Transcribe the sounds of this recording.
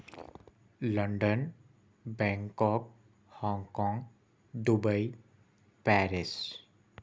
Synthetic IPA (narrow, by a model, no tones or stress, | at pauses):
ləɳɖən | bɛ̃ŋkɔk̚ | hɔ̃ŋɡkɔ̃ŋɡ | d̪ubəj | pɛɾis